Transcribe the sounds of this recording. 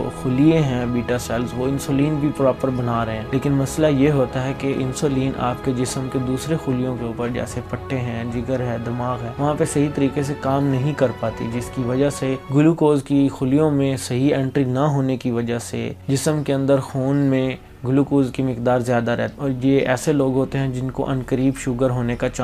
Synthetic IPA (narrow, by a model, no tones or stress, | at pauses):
o̰xʊliẽɦɛ̃biːʈasɛːlzʋoɪ̃nsoːliːnbʱipɾɔːpəɾbɐnaːɾɐɦẽleːkɪnmɐslajeɦoːt̪aɦɛkeʔɪ̰̃nsoːliːnʔa̰ːpked͡ʒɪsəmked̪uːsɾexʊlijõkeuːpəɾd͡ʒɛ̰ːsepɐʈʰːeɦɛ̃ːd͡ʒɪɡəɾɦɛ̃ːd̪ɪmaːɣɦɛ̃ːʋɐɦãpesɐɦit̪ɐɾiːkesekaːmnɐɦĩkɐɾpaːt̪ḭd͡ʒɪskiʋɐd͡ʒaseɡʊlukoːzkixʊlijõmẽsɐɦiɛ̃ːɳʈɾinaɦoːnekiʋɐd͡ʒasḛd͡ʒɪsəmkeɐ̃nd̪əɾxuːnmẽ | ɡʊlukoːzkimɪqd̪aːɾzjaːd̪aɾɛ̰ɦt̪ɔːɾjeɛːseloːɡɦoːt̪eɦɛ̃d͡ʒɪnko̰ʔɐnkəɾiːbʃʊɡəɾɦoːnekat͡ʃa